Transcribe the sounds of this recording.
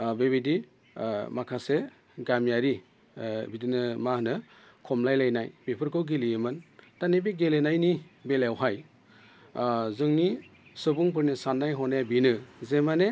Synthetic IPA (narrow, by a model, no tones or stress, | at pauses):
bebidi | makʰase | ɡamjaɾi | bidinɯmahnɯ | kʰɔmlajlajnajpepʰɯɾkɯwɡiliemɯntanebiɡelenajnibelawɦaj | zɯŋnisɯbuŋp̬ɯɾnisanːajɦɔnajabinɯzemane